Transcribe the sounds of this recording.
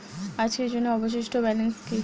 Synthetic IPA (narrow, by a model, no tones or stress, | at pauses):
ad͡ʑked͡ʑonːeɔboʃ̬iʃʈʰobɛlinski